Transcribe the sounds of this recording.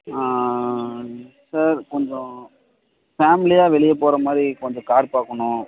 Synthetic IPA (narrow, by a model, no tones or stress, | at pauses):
aː | saɾkɔɲd͡ʒɔ̃ | faːmɪlɪjaːʋɛɭɪjɐpːoːɾɐmaːðɾikɔɲd͡ʒɔ̃kaːɾpaːkːɐɳʊ̃